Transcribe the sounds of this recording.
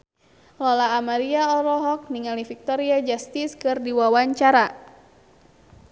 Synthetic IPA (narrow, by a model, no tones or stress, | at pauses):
lɔlaːmaɾiaɔɾɔɦɔk̚niŋalifik̚t̪ɔɾiad͡ʒast̪iskɨrdiwawaɲt͡ʃaɾa